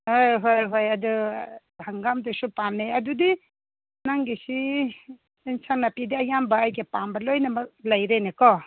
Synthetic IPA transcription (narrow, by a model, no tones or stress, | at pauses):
ojɦojɦojɐdu | haŋɡamdusupamneɐdudi | naŋɡisiː | nsaŋnapidiɐjambaːjɡepambɐlojnamɐklɐjɾenekɔ